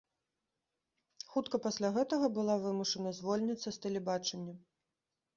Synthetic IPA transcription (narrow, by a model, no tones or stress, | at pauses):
xut̪kɐpasʲlʲaɣɛt̪ɐɣɐbɨlˠavɨmuʂɐnɐzvɔlʲnʲɐt̪sːɐst̪ɛlʲɛbat͡ʂɐnʲːɐ